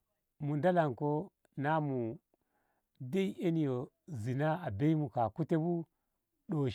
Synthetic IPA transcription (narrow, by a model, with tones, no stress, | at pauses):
mu˨nda˦la˨ŋko˦ | na˦mu˨ | de˦i˦ʔe˦ni˨jo˨ | zi˨na˦a˨be˦i˦mu˨ka˨ku˦te˦bu˦ | ɗo˨